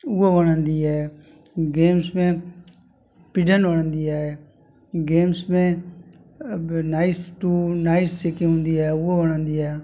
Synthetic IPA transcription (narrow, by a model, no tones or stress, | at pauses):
ʊaʋəɽ̃ə̃nd̪iːɛː | ɡeːmsmẽ | pɪɖənʋəɽ̃ə̃nd̪iːaːe | ɡeːmsmẽ | naːɪsʈuːnaːɪst͡ʃeːkẽɦʊ̃ːnd̪iːɛeʊaʋəɽ̃ə̃nd̪iːɛː